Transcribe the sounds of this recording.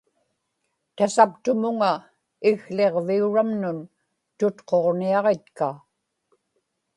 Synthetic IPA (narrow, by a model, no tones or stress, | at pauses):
t̪asapt̪ʊmʊŋa | ɪɣle̞ʁviuɻamnʊn | t̪ʊt̪qʰo̞ʁniɑʁe̞t̪ka